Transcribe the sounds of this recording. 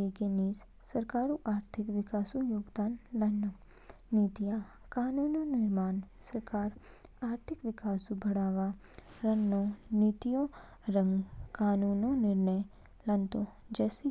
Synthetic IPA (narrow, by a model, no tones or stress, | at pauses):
ekeniːs | sɐɾkaːɾuʔaːɾt̪ʰɪkʋɪkaːsujoːɡd̪aːnlɐno | niːt̪ija | kaːnuːnonɪɾmaːnsɐɾkaːɾ | aːɾt̪ʰɪkʋɪkaːsubʱɐɽaːʋa | ɾɐnːonit̪ijõ | ɾə̃ŋɡkaːnuːnonɪɾnəj | lɐnt̪õd͡ʒɛːse